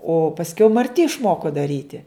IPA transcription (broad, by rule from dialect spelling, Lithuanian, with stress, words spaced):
oː pɐsʲˈkʲɛʊ mɐrʲˈtʲɪ ɪʃˈmoːkoː dɐˈrʲiːtʲɪ